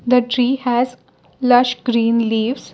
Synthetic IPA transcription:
d̪əʈɾiːhɛz | lʌʃɡɾĩːnliːʋz̥

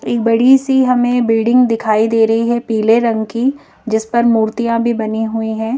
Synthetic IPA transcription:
eːk̚bɐɽ̤isiɦɐmẽbɪlɖɪ̃ŋɡd̪ɪkʰaːid̪eːɾɐɦiɦɛpiːleɾɐ̃ŋɡki | d͡ʒɪspɐɾmuːɾt̪ijãbʱibɐniɦʊiɦɛ̃ː

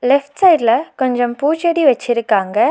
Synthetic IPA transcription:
lɛfʈsɐɪɖlɐkɔɲd͡ʒɐmpuːt͡ʃɐɽiʋɐt͡ʃːɪɾɯkːaːŋɡɐ

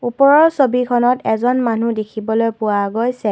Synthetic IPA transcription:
upɔɹɔɹsobikʰɔnɔtɛzɔnmanudekʰibɔlojpʊwaɡojsɛ

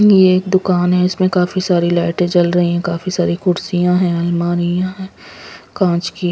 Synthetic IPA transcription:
jeːk̚d̪ʊkaːnɦɛ̃ɪsmẽkaːfisaːɾilɛːʈẽt͡ʃɐlɾɐɦĩɦɛ̃kaːfisaːɾikʊɾsijãɦɛ̃ɐlmaːɾijãɦɛ̃ːkãːt͡ʃki

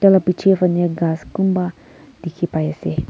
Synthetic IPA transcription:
dalapit͡ʃifaɲɛɡaskumba | dikʰipaɛsɛ

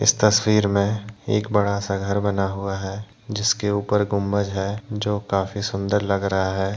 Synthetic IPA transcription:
ɪ̰st̪ɐswiːɾmẽḛːkbɐɽasaɡʱəɾbɐnaɦuaɦɛː | d͡ʒɪskeuːpəɾɡʊmːəd͡ʒɦɛd͡ʒoːkaːfisʊ̃nd̪əɾlɐɡɾɐɦaɦɛː

